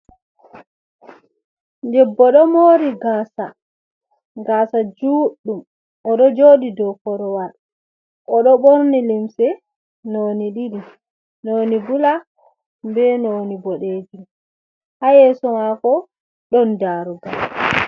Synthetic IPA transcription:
dɛbːɔɗɔmoːɾiɡaːsa | ɡaːsad͡ʒuːɗːum | ʔɔɗɔd͡ʒoːɗidɔkɔɾɔwaɗ | ʔɔɗɔɓoɾnilimsɛ | noniɗiɾi | nonibula | mbɛnonibɔɗeːd͡ʒum | hajɛsɔmakɔ | ɗɔndaːɾuɡal

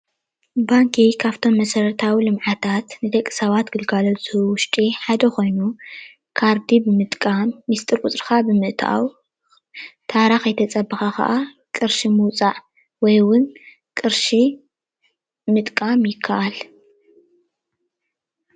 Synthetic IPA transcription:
baŋkʰikʰaβt̪ʰo̞mːɐsɐɾɐt̪ʰawilɨmʕat̪ʰat̪nɨd̪ɐkʼːi̥sɐβat̪ɡɨlɡalot͡sʼɨhɨwʊʃt̪ʼiħad̪ɐxo̞jnu | kʰaɾd̪ibɨmɨt̪ʼkʼamːist̪ʼɨɾkʼʊt͡sʼɾxabɨmɨʔt̪ʰa̰ʔa̰w | t̪ʰaɾaxɐjt̪ʰɐt͡sʼɐbːɐxakɐ̰ʔa | kʼɨɾʃimɨwt͡sʼaʕ | wɔjwʊn | kʼɨɾʃi | mɨt̪ʼkʼamjɪkʰːaʔal

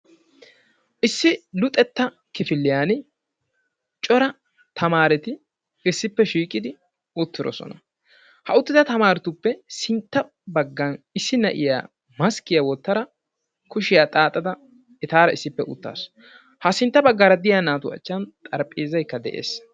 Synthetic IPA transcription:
ʔɪsːɪlʊt̪ʼːɛt̪ːɐ | kɪfɪlːɪjaːn | t͡ʃʼɔɾɐ | t̪ʰɐmaːɾɛt̪ɪ | ɪsːɪpːɛʃiːkʼɪd̪ɪ | ʊt̪ːɪɾɔ̰sɔ̰nɐ | hɐʊt̪ːɪd̪ɐt̪ɐmaːɾɪt̪ʊpːɛsɪnt̪ːɐ | bɐɡːɐnɪsːɪnɐʔɪja̰ː | mɐskɪjawɔt̪ːɐɾɐ | kʊʃɪjaːt̪ʼaːt̪ʼːɐd̪ɐ | ɛt̪aːɾɐɪsːɪpːɛʔʊ̰t̪ːa̰ːs | hɐsɪnt̪ːɐbɐɡːaɾɐd̪ɪjaːnaːt̪ʊɐ̰t͡ʃːɐnt̪ʼɐɾpʼːeːzɐjkːɐd̪ɛ̰ʔe̞̰ːs

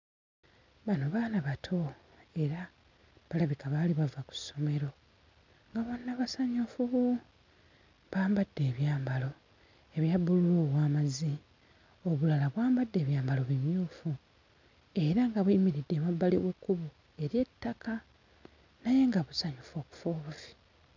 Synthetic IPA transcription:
βanoβaːnaβatʰo̞ | e̞ɾa | βalaβikaβaliβavaku̥sːo̞me̞ɾo̞ | ŋɡaβonːaβasaɲufuβu | βaːmbadːe̞ːβjaːmbalo̞ | e̞βjabululuwaːmazi | oβulalaβwaːmbadːe̞ːβjaːmbalo̞βimjuːfu | e̞ɾaŋɡaβwiːmiɾidːeβabːaliwukːuβu | e̞ɾje̞tːaka | naje̞ŋɡaβusaɲofo̞ku̥foːβuvi̥

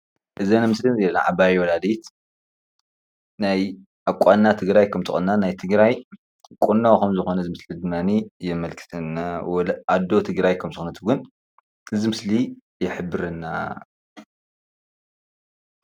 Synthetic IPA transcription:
ʔɨzɐnɨmɨslizelna̰ʕabajwɔlad̪it̪ | naj | ʔakʷʼːanːat̪ʰɨɡɾajkʰɐmt̪ʰɨxʼɨnːanajt̪ʰɨɡɾaj | kʼunːawkɐmzɨxo̞nɐzɨmɨslid̪ɨmːanijɛmɐlkʰɨ̥t̪ʰɐnːawlʔad̪o̞t̪ʰɨɡɾajkʰɐmt̪ɨxonɐt̪ʰuɡɨn | ɨzimɨsli | jɪħɨbːɨɾɨnːa̰

